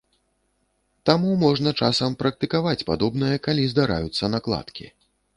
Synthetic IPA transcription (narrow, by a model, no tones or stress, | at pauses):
t̪amumɔʐnɐt͡ʂasɐmpɾɐk̚t̪ɨkavat͡sʲpad̪ɔbnɐjɐkalʲizd̪aɾa̰jut̪sːɐnaklˠa̰t̪kʲḭ